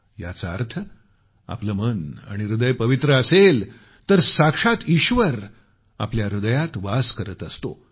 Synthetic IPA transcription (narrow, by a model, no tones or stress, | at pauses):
ja̰t͡sa̰ɾt̪ʰə | a̰pləməna̰ɽ̃iɾud̪əjpəʋit̪ɾəːsel | t̪əɾsakʂat̪iɕʋəɾ | a̰pljaɾud̪əjat̪ʋaskəɾət̪əst̪o